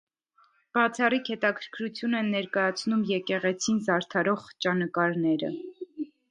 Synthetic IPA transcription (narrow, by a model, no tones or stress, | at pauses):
b̥ɑt͡sʰɑrikhɛt̪ɑkʰə̥ɾkʰɾut͡sʰjunɛnːɛɾkɑjɑt͡sʰnumjɛkɛʁɛt͡sʰinzɑɾt̪ʰɑɾɔʁt͡ʃɑnəkɑɾnɛɾə̰